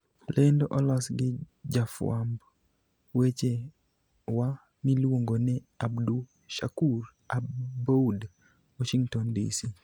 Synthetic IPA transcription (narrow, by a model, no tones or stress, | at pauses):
lʔendoʔɔlasɡɪ | d͡ʒafw̰amb | wet͡ʃe | wa | nilwoŋɡonɛ | abdu | ʃa̰kur | abboud | wɔʃiŋɡtɔndḭsi